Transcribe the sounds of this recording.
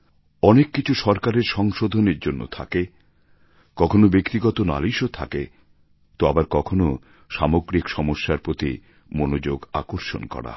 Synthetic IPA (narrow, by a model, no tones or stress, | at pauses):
ɔnekːit͡ɕʰuʃɔɾkaɾeɾʃɔŋʃod̪ʱoneɾd͡ʑonːo̰t̪ʰa̰ke | kɔkʰonobekt̪iɡɔt̪ona̰liʃot̪ʰake | t̪oabaɾkɔkʰono | ʃamoɡɾikʃɔmoʃːaɾpɾot̪i | monod͡ʑoɡakoɾʃo̰nkɔ̰ɾa̰